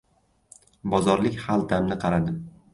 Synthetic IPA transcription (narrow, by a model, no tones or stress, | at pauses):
bɒzɒɾlɪkʲhalˠd̪amnɪqʰɑɾad̪ɪm